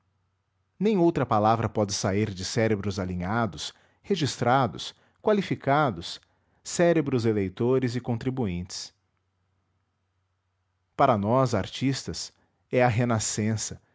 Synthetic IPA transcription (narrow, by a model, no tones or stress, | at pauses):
nẽj̃owt̪ɾɐpalavɾɐpɔd͡ʒɪsaiɾd͡ʒɪsɛɾebɾʊzalĩɲad̪ʊs | heʒist̪ɾad̪ʊs | kwalifikad̪ʊsː | ɛɾebɾʊzelejt̪oɾɪzɪkõnt̪ɾibuĩnt͡ʃɪ̥s | paɾɐnɔzaɾt͡ʃist̪ɐs | ɛɐɦenasẽsɐ